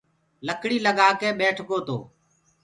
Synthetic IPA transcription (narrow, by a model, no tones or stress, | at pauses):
ləkɽiːləɠaːkeːɓeːʈʰkoːt̪o̰ː